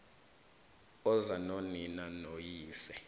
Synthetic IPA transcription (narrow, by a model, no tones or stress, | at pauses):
ɔzanoninanojiːsɛ